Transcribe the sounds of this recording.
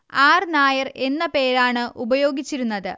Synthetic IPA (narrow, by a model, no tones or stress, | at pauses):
aːrnaːjɐre̞nːɐpe̞ːɾaːɳɨʔubɐjo̞ːɡit͡ɕːiɾunːɐðɨ